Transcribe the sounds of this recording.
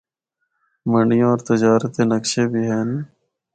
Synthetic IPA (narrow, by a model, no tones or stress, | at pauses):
mə̃ɳɖijõɔːɾt̪ɪd͡ʒaːɾət̪eːnəkʃeːbʱiːɦɛːn